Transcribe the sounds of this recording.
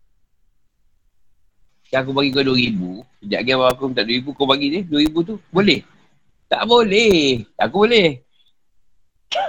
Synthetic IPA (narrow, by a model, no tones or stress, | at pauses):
kiak̬upaɡikoduəɾibusəd͡ʒa̰ʔɡiabaakut̪aʔduəibukopaɡidəduəɾibut̪ubolɛh | t̪a̰ʔbolɛakubolɛh